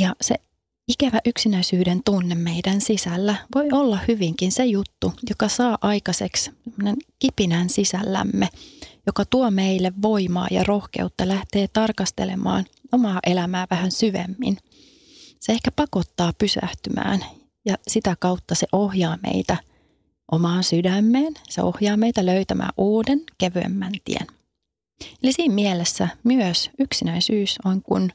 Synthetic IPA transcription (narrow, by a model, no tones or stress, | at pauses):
jɑsḛ | ikæʋæʔyksinæisyːdent̪unːemmeidænsisælːæʋojolːɑhyʋiŋkinsejut̪ːujokɑsɑːʔɑjkɑseksemːoneŋkipinænsisælːæ̰mːejokɑt̪uomeilːeʋːo̞imɑ̰ːjɑ̰ro̞hke̞̰ut̪ːɑlæht̪e̞ːt̪ɑrkɑst̪ḛlemɑ̰ːn | omɑːʔe̞læmæːʋæhænsyʋḛmːḭn | seehkæpɑko̞t̪ːɑːpysæ̰ht̪ymæ̰ːn | jɑsit̪ækɑwt̪ːɑseʔo̞hjɑːmḛjt̪æ | ʔomɑːnsydæmːeːnsḛo̞hjɑːmejt̪æløyt̪æmʔæ̰ːʔuːdenkeʋyḛmːænt̪ḭḛn | elisiːmmielesːæmyøsyksinæinsyːsoŋkun